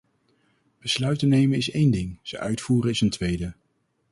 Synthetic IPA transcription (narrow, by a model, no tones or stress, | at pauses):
b̥əslœɥtənejmənɪsejndɪŋz̥əʔœ̰ɥtfuːɾənɪsəntʋejdə